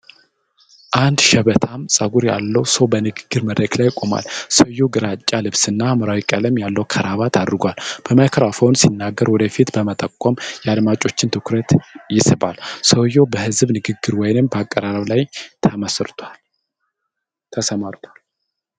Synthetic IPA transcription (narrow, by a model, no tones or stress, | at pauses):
ʔand̪ʃɛβət̪ʰamsʼəɡuɾja̰lːəwsəwbənɨɡɨɡːɨɾməd̪ɾəklajːkʼoma̰lsəwjoɡɨɾat͡ʃʼːalɨβsɨnːamɨɾawikʼələmjalːəwkʰəɾʔaβat̪ʰad̪ɾɨɡʷalb̥əmakʰəɾafownsinːaɡːəɾwɔd̪əfit̪bəmət̪ʼəkʷʼːɔmjɛad̪mat͡ʃʼo̞t͡ʃːɪnt̪ʰɨkɾət̪jɪsɨba̰lsəwjo̞bəhɨzbnɨɡɨɡːɨɾwɔjnɨmbəakʼːəɾaɾəβlajt̪ʰəmsɾt̪ʰal | t̪ʰəsəmaɾt̪ʰal